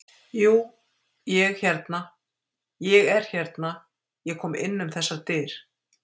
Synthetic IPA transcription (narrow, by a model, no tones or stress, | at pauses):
juː | jɛɣçɛɾt̪na | jɛɣɛɾ̥çɛɾt̪na | jɛkʰɔːmɪ̰nːʏmθɛsːat̪ɪːɾ̥